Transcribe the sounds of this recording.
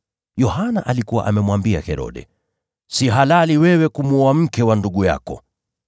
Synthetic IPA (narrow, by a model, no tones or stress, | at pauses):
jɔhanaʔalikuwa̰ʔamɛmwambia̰hɛɾɔ̰ɗɛ̰ | siɦalaliwɛwɛkumuɔam̩kɛwanduɠuja̰kɔ̰